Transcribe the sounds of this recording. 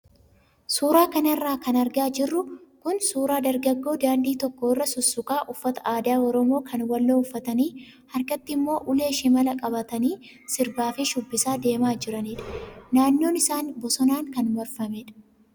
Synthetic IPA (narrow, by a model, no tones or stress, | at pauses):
suːɾaːkɐnɐrːaːkɐnɐɾɡaːd͡ʒɪrːʊkʊnsuːɾaːd̪ɐɾɡɐɡːo̞ːd̪aːnd̪iːt̪ɔkːo̞ːɪrːɐsʊsːʊkʼaːʔʊfːɐt̪ɐ̥ʔaːd̪aːɔɾɔmo̞ːkʰɐnwɐlːoːʊfːɐt̪ɐniː | hɐɾkɐt̪ːɪɪmːo̞ːʔʊle̞ːʃɪmɐlɐkʼɐbɐt̪ɐniː | sɪɾbaːfɪʃʊbːɪsaːd̪e̞ːmaːd͡ʒɪɾɐniːᶑɐ̥naːnːo̞ːnɪsaːnbɔsɔnaːŋkɐnmɐɾfɐmɛᶑɐ̥